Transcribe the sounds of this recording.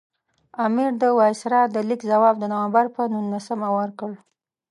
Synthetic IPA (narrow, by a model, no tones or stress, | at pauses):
ɑmiɾd̪əwɑjsɾɑd̪əlikzawɑb̚d̪ənawambaɾpənunːasəmawəɾkəɽ